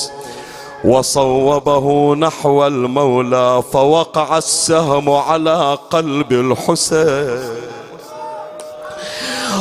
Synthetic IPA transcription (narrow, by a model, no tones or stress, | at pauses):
wɑsˤɑwːɑbaɦʊnaħwalmawlaːfawɑqɑʕasːaɦmʊʕalaːqɑlbɪlħʊsaː